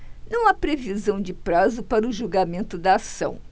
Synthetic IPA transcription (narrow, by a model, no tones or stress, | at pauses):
nɐ̃w̃apɾevizɐ̃w̃d͡ʒɪpɾazʊpaɾɐʊʒuɡamẽnt̪ʊd̪ɐasɐ̰̃w̃